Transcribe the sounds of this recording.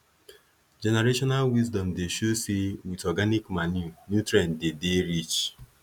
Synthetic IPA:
d͡ʒɛneɾeʃɔnalwizdɔmdeʃosiwitɔɡanikmanunutɾɛndedeɾit͡ʃ

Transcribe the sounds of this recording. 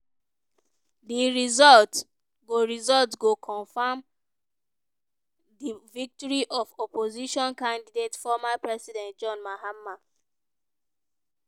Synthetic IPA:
diɹizɔlt | ɡoɹizɔltɡokʰɔ̃nfam | divik̚tɔɹiʔɔfɔpoziʃɔ̃nkãndidetfɔmapɹɛsidɛ̃nt̚d͡ʒɔ̃nmaɦamːa

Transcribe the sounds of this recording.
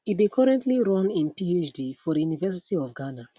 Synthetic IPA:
itdekʰɔɹɛ̃ntʰliɹɔ̃nĩnpiet͡ʃdifɔɾəjunivɛs̬itiɔvɡana

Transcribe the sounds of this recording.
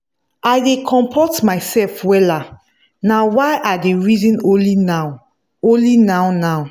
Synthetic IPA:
ajdekʰɔ̃mpʰɔtmaɪsɛlfwɛla | nawaɪʔadeɹizĩnõlinaw | õnlinawnaw

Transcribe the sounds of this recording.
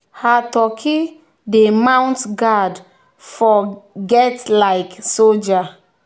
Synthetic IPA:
hatɔkʰi | demãw̃ntɡad | fɔɡɛtlaɪksold͡ʒa

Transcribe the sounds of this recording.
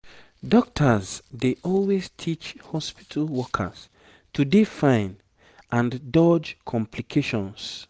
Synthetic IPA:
dɔk̚tʰazdeʔɔlweztʰit͡ʃhɔspi̥tʰalwɔkʰa̰s | tʰudefãɪ̃n | ʔãndɔd͡ʒkʰɔ̃mpʰlikʰeʃɔ̃ns

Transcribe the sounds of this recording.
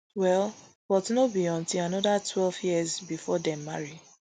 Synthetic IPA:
wɛlˠ | fɔtinobiɔ̃ntilanɔdatwɛlvjiɛzbifɔdɛ̃mːaɹi

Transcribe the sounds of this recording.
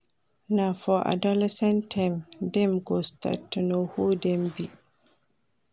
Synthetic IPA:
nafɔʔa̰dalɛsɛ̃ntʰːajmdɛmɡostʰa̰tːunohudɛmbi

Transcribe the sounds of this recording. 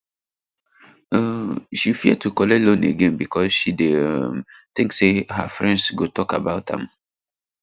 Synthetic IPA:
ʃifiəd̚tʰukɔlɛlõneɡɛ̃nbikʰɔsʃidemθĩŋksehə̰fɹɛ̃ndsɡotʰɔkabaʊtə̰̃m

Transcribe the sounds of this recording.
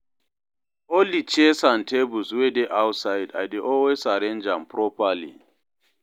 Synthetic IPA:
olit͡ʃesãntʰebuswedeʔawtsajda̰deʔɔlwesaɾẽnd͡ʒãmpʰɹɔpalḭ

